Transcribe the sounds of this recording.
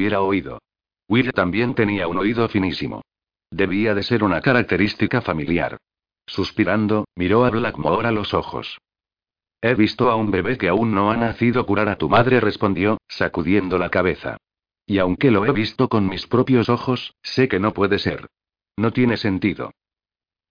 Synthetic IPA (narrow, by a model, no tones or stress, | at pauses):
βje̞ɾaoiðo̞̰ | wilt̪ambje̞nt̪e̞niauno̞iðo̞finisimo̰ | d̪e̞β̞iaðe̞se̞ɾunakaɾak̚t̪e̞ɾist̪ikafamilja̰ɾ | suspiɾand̪o̞miɾo̞aβlakmaoɾalo̞so̞xo̞̰s | e̞βist̪o̞aumbe̞βe̞θke̞aunːo̞anaθiðo̞kuɾaɾat̪umaðɾe̞re̞spõ̞nd̪jo̞sakuðje̞nd̪o̞lakaβe̞θa̰ | iawŋke̞lo̞e̞βist̪o̞ko̞nmispɾo̞pjo̞so̞xo̞sːe̞ke̞no̞pwe̞ðese̞ɾ | no̞t̪je̞ne̞se̞nt̪iðo̞̰